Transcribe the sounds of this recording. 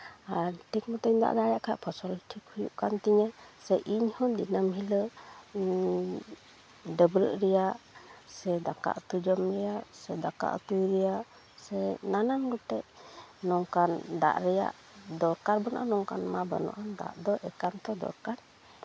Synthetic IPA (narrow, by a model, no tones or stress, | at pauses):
aɾʈʰik̚mət̪əɲd̪a̰ʔd̪ajaʔkʰaʔpʰɔsɔlʈʰikhujṵʔkant̪iɲɛsɛʔiɲhɔd̪inamɦilə | ɖəbɾə̰ʔɾɛjaʔsɛd̪aka̰ʔt̪ud͡ʒəmɾɛjaʔsɛd̪aka̰ʔt̪ujɾɛjaʔ | sɛnananɡuʈɛʔnɔŋkand̪a̰ʔɾɛja̰ʔ | d̪ɔɾkaɾbɔna̰ʔanɔŋkanmabə̰nɔ̰ʔand̪a̰ʔd̪ɔʔɛkant̪ɔd̪ɔ̰ɾkaɾ